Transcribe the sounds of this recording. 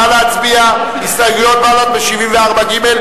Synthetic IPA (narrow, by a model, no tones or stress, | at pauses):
aveat͡sbia | isajɡujot̪̚malat̪̚beʃivimveaʁbaɡimel